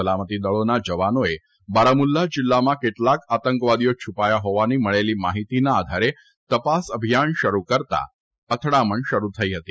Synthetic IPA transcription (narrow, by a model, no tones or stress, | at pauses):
əlamət̪id̪əɭonad͡ʒəʋanoe | baɾamulːad͡ʒilːamãkeʈlakat̪əŋkʋad̪ijot͡ʃʰupajaɦoʋaniməɭelimaɦit̪inaːd̪ʱaɾe | t̪əpasəbʱijanʃəɾukəɾt̪a̰ | ət̪ʰɽaməɳʃəɾut̪ʰəiɦət̪i